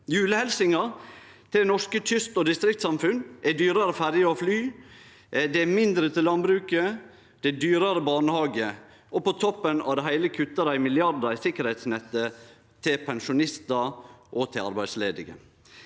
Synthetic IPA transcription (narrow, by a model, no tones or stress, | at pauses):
jʉːləhɛlsɪŋɑ | t̪ʰɪld̪ɛnɔʂkət̪ʰʏst̪ɔd̪ɪst̪ɾɪk̚t̪sɑmfʉnʔɛd̪yːɾɑɾəfæɾjəɾɔflyː | d̪ɛæmɪnd̪ɾət̪ʰɪlːɑnbɾʉːkə | d̪̥ɛd̪yːɾɑɾəbɑːnəhɑːɡə | ʔɔpɔt̪ʰɔpːənɑ̰ʋd̪ɛɦæɪləkʰʉt̪ːəɾæɪmɪlɪɑɾd̪əɾɪsɪkːəɾhɛɪt̪snɛt̪ːə | t̪ʰɪlpʰɛnʂʊnɪst̪ɑʔɔt̪ʰɪlɑ̰ɾbæɪd̪sleːd̪ɪɡə̰